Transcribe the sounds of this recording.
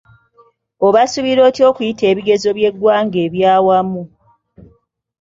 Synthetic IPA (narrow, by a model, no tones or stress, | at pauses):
oβasuβiɾo̞ːtjo̞ːkujite̞ːβiɡe̞zo̞βje̞ɡwaːŋɡe̞ːβjaːwamu